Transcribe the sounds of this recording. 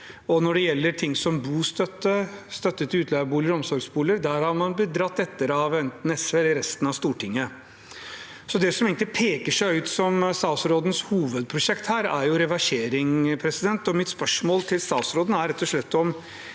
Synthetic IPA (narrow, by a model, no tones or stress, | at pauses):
ɔnɔɖɛjɛlːəɾʈʰɪŋːsɔmbuːst̪œt̪ːəst̪œt̪ːət̪ʰɪʉːt̪ʰlɑːəbuːləɾɔmsɔɾɡsbuːləɾd̪æɾhɑɾmɑnbəd̪ɾɑt̪ːɛt̪ːəɾɑʋɛnt̪nɛsʋelɪɾɛst̪nɑʋst̪uːʈʰɪŋːə | sɔd̪ɛsɔmeːɡnt̪ɪpʰeːkəʂæɪʉːt̪sɔmst̪ɑːsɾoːd̪n̩shuːʋəd̪̚pʰɾʊʂɛkt̪hæːɾæɾjʊɾɛʋɑʂeːɾɪŋpʰɾɛsɪd̪ɛnt̪ɔmɪt̪spœʂmoːlt̪ʰɪlst̪ɑːsɾoːd̪n̩æɾɛt̪ːɔʂɭɛt̪ːɔm